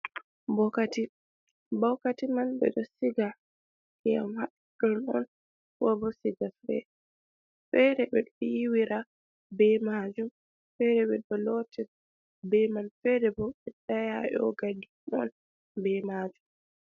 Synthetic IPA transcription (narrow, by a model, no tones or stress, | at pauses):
bɔkati | bɔwkatimanbɛ̰ɗɔsiɡa | kɛa̰mhaɗ | ɗɔnɔ̰n | wɔbɔsiɡafɛ̰ | fɛɾɛbɛɗiwiɾa | bɛmaːd͡ʒum | fɛɾɛɓɛɗɔlɔtɛ | bɛmanfɛɾɛbɔɓɛɗajajɔ̰ɡadumɔn | bɛmaːd͡ʒum